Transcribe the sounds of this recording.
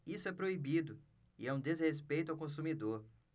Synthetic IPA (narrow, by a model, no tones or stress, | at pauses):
isʊɛpɾoibid̪ʊ | ɪɛũd̪ezhespejt̪ʊawkõs̬umid̪oɾ